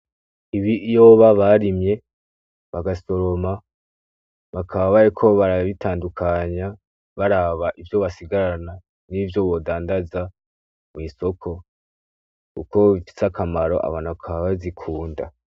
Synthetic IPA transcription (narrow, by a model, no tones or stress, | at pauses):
iβijo̞βaβaɾimje̞ | βaɡaso̞ɾo̞ma | βakʰaβaβajekʰo̞βaɾaβitaːndukʰaɲa | βaɾaβaʔivjo̞βasiɡaɾana | nivjo̞βo̞ːdaːndaza | mwiːso̞kʰo̞ | kuko̞βifi̥sakamaɾo̞̰ʔa̰βaːnhuβakʰaβaβazikʰuːnda̰